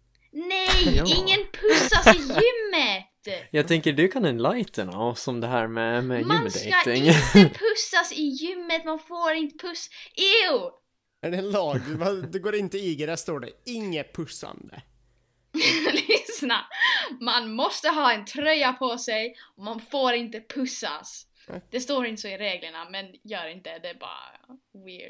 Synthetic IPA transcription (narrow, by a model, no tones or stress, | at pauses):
nɛjɪŋŋːənpʰɵsːasɪjʏmːət̪jɑːt̪ʰɛŋkəɖɵkʰanɛnlajt̪ʰəna̰sɔmd̪ɛɦæːɾmɛmɛmmːsɛaɪŋpʰɵsːasɪjʏmːət̪manfoːɾɪnt̪ə̥pʰɵsɪ | æɖɛnlɑːɡvad̪ɛɡoːɾɪnt̪əiːɡəd̪æʂt̪oːɖɛ̰ɪŋːəpʰɵsːa̰nd̪ə̰ | lɪsnamanmɔst̪əɦɑːɛnt̪ʰɾœjapʰɔsɛjɔmanfoːɾɪnt̪əpʰɵsːa̰s | d̪̥ɛst̪oːɾɪnt̪əsɔɪɾeːɡləɳamɛnjœːɾɪnt̪əɛd̪ɛæbɑ̰ːɾa̰wɪ̰ɖ